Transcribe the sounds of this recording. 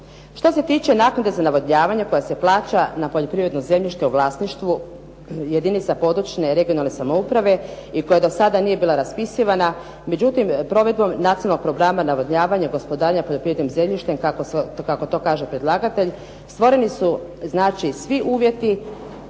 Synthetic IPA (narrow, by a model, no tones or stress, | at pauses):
ʃt̪o̞se̞t̪iːt͡ʃenaːknud̪e̞zanaʋod̪ɲaːʋaɲeko̞jase̞plaːt͡ɕanapoʎo̞pɾiʋɾe̞d̪noze̞mʎʲiʃt̪euʋlˠaːsniʃt̪ʋu | jed̪init̪sapo̞d̪ɾut͡ʃne̞ɾe̞ɡionalˠnesamoupɾaʋe̞ | iko̞jad̪o̞sad̪anije̞biːlaɾaspisiʋana | me̞d͡ʑut̪impɾo̞ʋe̞d̪̚bo̞mnat̪inalokpɾo̞ɡɾamanaʋod̪ɲaːʋaɲaɡo̞spo̞d̪aːɾɲapoʎopɾivɾed̪nomze̞mʎʲiʃt̪emkakoskako̞t̪o̞ːkaːʒepɾed̪lˠaːɡat̪eʎ | st̪ʋo̞ɾe̞nisuznaːt͡ʃisʋiʔuːʋje̞t̪i